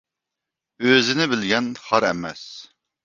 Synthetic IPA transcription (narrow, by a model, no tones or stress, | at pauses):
øzɪnɪbɪlɡʲɛnχɑɾɛmɛs